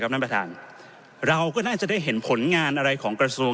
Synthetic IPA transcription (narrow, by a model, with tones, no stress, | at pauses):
a˦˥pna˥˩pɾa˧t̪ʰa̰ː˧n | ɾa˧wkɔː˥˩naː˥˩t͡ɕa˨˩daː˥˩jɦe˩˦npʰo˩˦nŋaː˧nʔa˧ɾa˧jkʰɔː˩˦ŋkɾa˧su˧ə